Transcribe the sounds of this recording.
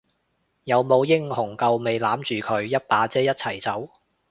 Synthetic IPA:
jɐ˨˧wmo˨˧wjɪ˥ŋhʊ˨˩ŋkɐ˨˧wme˨˧jlaː˨˥mt͡ʃyː˨kʰɵ˨˧ɥjɐ˥t̚paː˨˥t͡sɛː˥jɐ˥t̚t͡sʰɐ˨˩jt͡sɐ˨˥w

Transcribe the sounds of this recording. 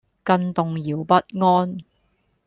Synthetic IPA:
kɐ˧nt̪ʊ˨ŋjiː˨˩wpɐ˥t̚ŋɔː˥n

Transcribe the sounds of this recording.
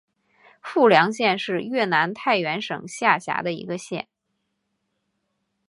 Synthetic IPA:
fu˥˩ljɑ˧˥ŋɕjɛ˥˧nʂɻ̩˥˧ɥɛ˥˩na˧˥nt̪ʰa˥˩ɪɥɛ˧˥nʂɤ̰˨˩ŋɕja˥˩ɕja̰˧˥d̪ə˧ḭ˧˥ɡə˧ɕjɛ̰˥˩n

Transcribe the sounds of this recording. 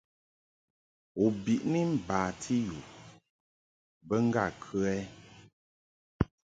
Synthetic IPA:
u˨bi˨ʔni˦m̩˦baː˨tʰi˦ju˨ | bə˦ŋ̩˦ɡa˦˨kʰʉ˦ɛ˦

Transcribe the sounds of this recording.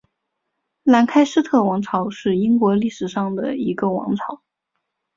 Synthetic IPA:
la˧˥nkʰa˥ɪʂɻ̩˥t̪ʰɤ˥˩wɑ˧˥ŋʈ͡ʂʰɑ˧˥ʊʂɻ̩˥˩i˥ŋkwɔ˧˥li˥˩ʂɻ̩˨˩ʂɑ˥˩ŋd̪ə̰˩i˧˥ɡə˧wɑ̰˧˥ŋʈ͡ʂʰɑ˧˥˦ʊ

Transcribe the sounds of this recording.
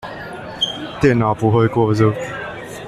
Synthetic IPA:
t̪jɛ˥˧˨nːa˨˩ʊpu˨˦xwe˥˧kwɔ˥˧zɨ˥˧˩

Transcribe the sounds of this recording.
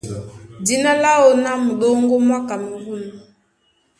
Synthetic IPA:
di˦na˦la˦o˨na˦mu˨ɗɔ˦ŋɡɔ˦mwa˦ka˨mi˨ɡu˦˨nu˨

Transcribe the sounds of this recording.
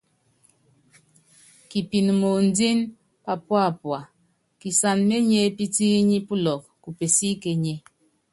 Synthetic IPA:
ki˨pi˨n˨mo˨n̩˦di˦n | pa˨pwa˦˨pwa˨ | ki˨sa˨nme˦ɲe˦pi˦ti˦ɲi˦pu˦lɔ˨k̚ku˨pe˨si˦ke˨ɲe˦

